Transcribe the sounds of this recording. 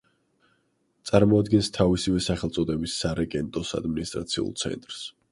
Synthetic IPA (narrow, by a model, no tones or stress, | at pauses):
t̪sʼaɾmɔad̪ɡɛnst̪ʰavisivɛsaχɛlˠt̪sʼɔd̪ɛbisːaɾaɡʼɛnt̪ʼɔsa̰d̪minist̪ʼɾa̰t̪sʰiṵlˠt̪sʰɛ̰nt̪ʼɾs